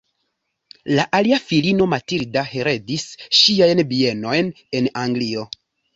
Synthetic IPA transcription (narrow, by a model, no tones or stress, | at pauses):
laʔaliafilino̞matiɾdahe̞ɾe̞disʃiajnbie̞no̞jn | e̞naŋɡlio̞